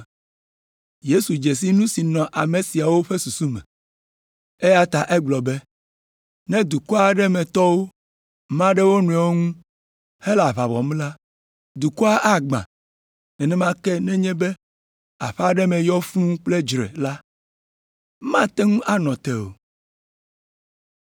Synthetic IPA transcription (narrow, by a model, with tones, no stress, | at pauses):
je˦su˨d͡ʒe˨s̬i˦nũ˦si˨nɔ̃˨ʔa˨mẽ˨si˨a˨wo˦ɸe˦su˨su˦mɛ̰̃˨ | e˦ja˦t̪a˨ʔɛ˦ɡ͡blɔ˨be˦ | nɛ̃˦d̪u˨kɔ˦a˨ɖɛ˦mɛ̃˨t̪ɔ˦wo˦ | mã˦ɖɛ˦wo˦nũ˨ɛ˨wo˦ŋũ˦ | he˦la˨βa˨βɔ̰˨m˦la˦ | d̪u˨ku˦a˦ʔa˦ɡ͡bã̰˨ | nɛ̃˨nɛ̃˦mã˦kɛ˦nɛ̃˦ɲɛ̃˦be˦ | a̰˨ɸa˦ɖɛ˦mɛ̃˨jɔ˦fũ˦k͡ple˦d͡ʒɾɛ̰˨la˦ | mã˦t̪ɛ˦ŋũ˦ʔa˦nɔ̃˨t̪ɛ˦˨o̰˨